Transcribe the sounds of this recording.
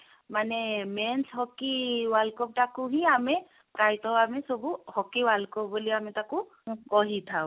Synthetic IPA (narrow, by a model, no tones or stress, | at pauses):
manɛmɛnshɔkiwalkɔp̚takuɦĩamɛ | pɾajtɔamɛsɔbuhɔkiwalkɔbuliamitakʊ | kɔɦitʰa